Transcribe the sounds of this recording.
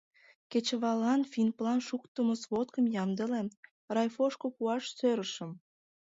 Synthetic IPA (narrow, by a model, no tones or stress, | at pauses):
ket͡ɕəβɑlɑnfinplɑnʃukt̪əməsβot̪kəmjɑmd̪əlem | rɑjfoʃkopuɑʃsøɾəʃə̆m